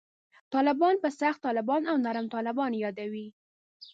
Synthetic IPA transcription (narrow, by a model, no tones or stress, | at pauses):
t̪ɑlɪbɑnpəsaxt̪ːɑlɪbɑnawnaɾamt̪ɑlɪbɑnjɑd̪awi